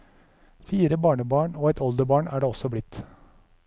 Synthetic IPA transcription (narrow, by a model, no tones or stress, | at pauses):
fiːɾəbɑːɳəbɑːɳoːɛt̪ʰɔld̪əbɑːɳæːɖeːɔsɔblɪt̪ː